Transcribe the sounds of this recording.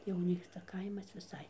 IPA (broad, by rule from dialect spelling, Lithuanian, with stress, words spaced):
jɛʊ ˈnʲiːkstɐ ˈkɐɪmɐs ʋʲɪˈsɐɪ